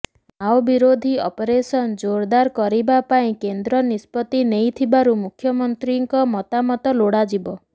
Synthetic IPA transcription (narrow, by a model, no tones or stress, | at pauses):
awbiɾod̪ʱiɔpɔɾesɔnd͡ʒoɾd̪aɾkɔɾibapaĩkend̪ɾɔnispɔt̪inejt̪ʰibaɾumukʰːjɔmɔnt̪ɾiŋkɔmɔt̪amɔt̪ɔloɽad͡ʒibɔ